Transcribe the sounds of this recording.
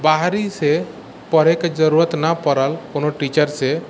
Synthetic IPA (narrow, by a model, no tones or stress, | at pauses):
baɦɾise | pəɾ̤eked͡ʒəɾuɾət̪nəpəɾəlkonoʈit͡ʃəɾse